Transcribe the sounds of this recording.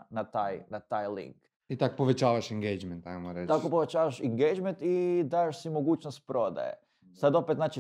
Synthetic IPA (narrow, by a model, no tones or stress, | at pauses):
nat̪aːjnat̪aːjlḭŋk | it̪akopoʋet͡ʃaːʋaʃiŋɡejd͡ʒment̪ajmoɾet̪akkopoʋet͡ʃaːʋaʃiŋɡejd͡ʒment̪id̪aʃsimo̞ɡuːt͡ʃnost̪̚pɾo̞d̪a̰jḛ | sad̪o̞pet̪naːt͡ʃi